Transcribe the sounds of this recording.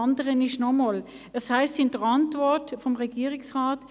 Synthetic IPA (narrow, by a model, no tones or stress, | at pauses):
ɑndəʁənɪʃnɔmɔl | əshaɪstɪndəʁɑntvɔɐtfɔmʁɛɡ̥iːʁɪksʁaːt